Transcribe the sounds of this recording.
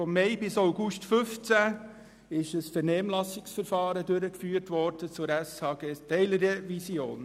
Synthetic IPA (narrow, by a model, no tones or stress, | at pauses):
fɔmːɛɪbɪsawɡuʃtfʏft͡sæ | ɪʃəsfəɾnɛːmlɑsɪksfəɾfɑːɾədɵɾəkfyːəɾtʋɔɾd̥ət͡sʊɾæshɑːɡeːtɛɪləɾevisjoːn